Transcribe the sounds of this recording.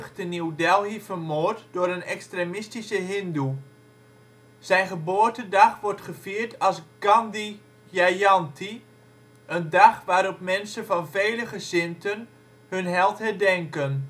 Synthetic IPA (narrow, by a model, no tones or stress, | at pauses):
χtəniwdɛlˠhivərmoːrtdʊːɾənɛkstremɪstisəɦɪndu | z̥ɛjnχəboːəɹtədɑχʋɔrtχəv̥iːɹtʰɑlˠsɡ̥ɑndi | jajɑntʰi | ʔəndɑχʋaːɾɔpmɛnsənvɑnveːləχəzɪntʰən | hɵnɦɛlˠtɦɛɹdɛŋkən